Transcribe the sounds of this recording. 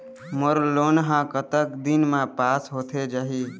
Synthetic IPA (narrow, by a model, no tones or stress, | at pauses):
məɾloːnɦãkət̪əkd̪inmãpaːsɦoːt̪ʰed͡ʒaɦi